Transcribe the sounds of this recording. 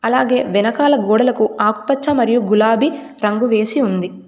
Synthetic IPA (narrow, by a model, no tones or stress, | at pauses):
ɐlaːɡe̞ːʋɛnɐkaːlɐɡɔːɽɐlɐkuaːku̥pɐt͡ʃːɐmɐɾijuɡulaːbi | ɾɐŋɡuʋe̞ːsiund̪i